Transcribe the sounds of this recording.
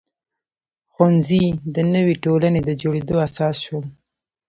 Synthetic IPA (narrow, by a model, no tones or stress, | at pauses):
xanzid̪ənəwiʈolaned̪əd͡ʒoɽed̪oasɑsʃwəl